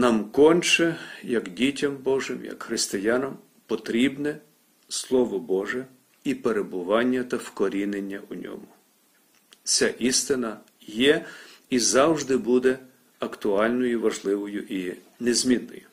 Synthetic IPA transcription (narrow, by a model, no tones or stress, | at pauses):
nɑmkɔnʲt͡ʃɛjɐkdʲitʲɐmbɔʒɪmjɐ̰kxɾɪst̪ɪjɑnɐm | pɔt̪ɾʲibnɛ | slˠɔʋɔbɔʒɛ | ipeɾebʊʋɑnʲːɐt̪ɐwkɔɾʲinenʲːɐʔʊnʲɔ̰mʊ | t͡sʲaʔist̪ɪnɐ | jɛizɑwʒd̪ɪbud̪ɛ | ɐkt̪ʊɑlʲnɔjʊʋɐʒlˠɪʋɔjʊʔi | nezʲmʲinːɔ̰jʊ